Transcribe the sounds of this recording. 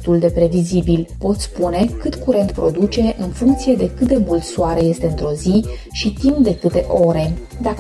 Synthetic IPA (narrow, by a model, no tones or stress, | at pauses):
t̪uld̪e̞pɾe̞vizibilpo̞t̪sʲspune̞kɨt̪kuɾe̞nt̪pɾo̞d̪ut͡ʃe̞ʔɨnfuŋkt̪sije̞d̪e̞kɨt̪̚d̪e̞mult̪suaɾe̞je̞st̪e̞ɨnt̪ɾo̞zi | ʃit̪impd̪e̞kɨt̪e̞ʔo̞ɾe̞ | d̪ak